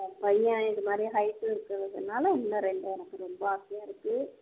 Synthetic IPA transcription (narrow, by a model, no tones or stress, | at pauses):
pɐjːãɪnðɐmaːd̪ɾiɦɐɪʈːɯɪɾɯkːɾɐðɯsɔnːaːlɐɪnːɐɾɛɳɖɯɛnɐkːɯɾɔmbɐasɪjaːɪɾɯkːɯ